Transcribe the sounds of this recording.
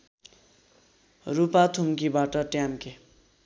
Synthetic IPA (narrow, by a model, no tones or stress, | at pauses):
rupat̪ʰumkibaʈʌʈjamke